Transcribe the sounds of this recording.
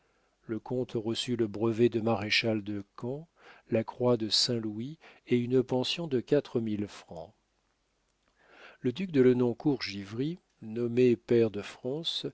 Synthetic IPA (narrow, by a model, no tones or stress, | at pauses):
ləkɔ̃t̪ʁəsyləbʁəvɛd̪əmaʁeʃald̪əkɑ̃ | lakχwad̪əsɛ̃lwieynəpɑ̃sjɔ̃d̪əkat̪χəmilfχɑ̃ | ləd̪yk̚d̪ələnɔ̃kuʁʒivʁi | nɔmepɛʁd̪əfχɑ̃s